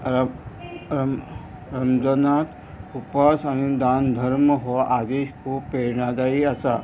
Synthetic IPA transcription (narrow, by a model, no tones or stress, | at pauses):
ɾ | ɾəmd͡zənat̪ | upasañid̪and̪ʱəɾməɦoʔad̪eɕkʰupeɾɳad͡zaiasa̰